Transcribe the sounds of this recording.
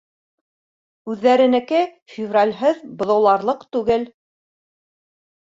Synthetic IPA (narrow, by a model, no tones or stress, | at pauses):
ʉðːæɾɘ̆nɘ̆kɘ | fʲɪvralʲɦɤðbŏðɤ̆wlˠɑɾlˠɤqt̪ʉɡɘl